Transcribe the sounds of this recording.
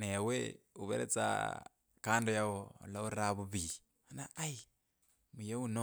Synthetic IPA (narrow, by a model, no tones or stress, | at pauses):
neweuβḛɾḛt͡sa̰ | kaːndojaɣo̰ːlauɾaβuβi | anaai | mujeuno